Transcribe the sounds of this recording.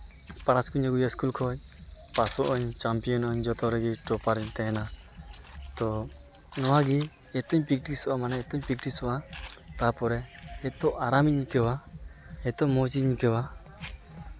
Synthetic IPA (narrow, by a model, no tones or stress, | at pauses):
paɾaskuɲɔɡujaskulkʰɔj | pasɔʔɔɲt͡ʃampijɔnɔɲd͡ʒɔt̪ɔɾɛɡiʈɔpaɾɛɲt̪ɛna | t̪ɔ | nɔwaɡi | ɛt̪ɔɲpik̚ʈisɔʔamanɛɛt̪ɔɲpik̚ʈisɔʔat̪apɔɾɛɛt̪ɔʔaɾamikɛwa | ɛt̪ɔmɔt͡ʃiɲkɛwa